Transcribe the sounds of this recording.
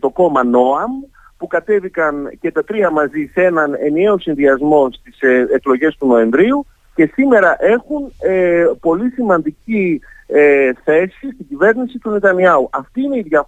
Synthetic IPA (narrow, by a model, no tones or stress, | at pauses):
t̪o̞ko̞mɐno̞ɐm | pukɐt̪e̞vikɐnce̞t̪ɐt̪ɾiɐmɐzise̞nɐne̞nie̞osinðiɐzmo̞st̪iseklo̞ʝe̞st̪uno̞e̞ɱvɾiu | ce̞simeɾɐʔe̞xunepo̞lisimɐnd̪icieθe̞sist̪iɟive̞ɾnisit̪unet̪ɐniɐuʔɐft̪iine̞iðʝɐ